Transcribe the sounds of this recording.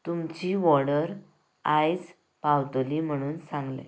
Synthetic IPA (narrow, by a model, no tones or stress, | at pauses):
t̪umt͡ɕiːʋɔɽəɾ | ajd͡z | pawt̪oliːm̤əɽ̃uːnsãŋɡlḛ̃